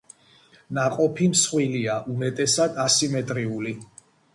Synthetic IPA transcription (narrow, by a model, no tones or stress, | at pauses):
naqʼɔpʰimsχwiliaʔumɛt̪ʼɛsad̪asimɛt̪ʼɾiuli